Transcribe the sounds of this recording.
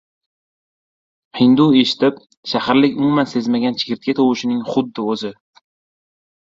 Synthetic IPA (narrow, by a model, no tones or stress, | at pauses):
hɪnd̪ueʃɪ̥t̪ʰɪp | ʃahaɾlɪkʲʊmʊmanse̞zmaɡʲant͡ʃʰɪ̥kʲɪɾt̪̚kʲat̪ʰɒwɪʃɪnɪŋχʊd̪ːɪɵzɪ